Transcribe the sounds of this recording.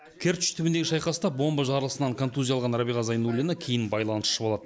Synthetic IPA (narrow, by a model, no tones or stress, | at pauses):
kʲʰeɾt̪t̪ʰʏbɪnd̪eɡʲɪʃɑjqɑsət̪ɑbo̞mbəʒɑɾəlˠəsənɑŋkʰont̪uzʲijɑlˠʁɑnɾabiʁɑzɑjnulʲɪnəkʲʰe̞jɪnbɑjlˠɑnəsʃəbo̞lˠɑd̪ə